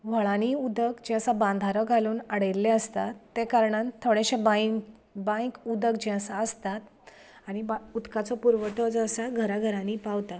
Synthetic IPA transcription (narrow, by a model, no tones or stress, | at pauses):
ʋ̤əɭaniud̪əkd͡ʑẽəsabãnd̪ʱaɾɔɡʱaluːnaɽəjɾlẽəst̪at̪ːekaɾɳant̪ʰːoɽeɕẽba | bãjkud̪əkd͡ʑɛ̃əsaəst̪at̪aɽ̃ibaud̪kat͡sɔpuɾʋəʈɔd͡zasaɡʱəɾaɡʱəɾãniːpawt̪a